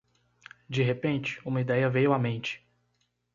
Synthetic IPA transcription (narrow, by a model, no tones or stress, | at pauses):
d͡ʒiɦepẽnt͡ʃɪ̥ũmɐid̪ɛjɐvejuamẽnt͡ʃɪ̥